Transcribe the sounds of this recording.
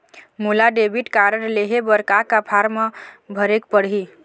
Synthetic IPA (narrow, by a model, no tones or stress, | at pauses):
mulaɖebʱiʈkaɾəɾleɦebəɾkakapʰaɾməbʱəɾekpəɽɦi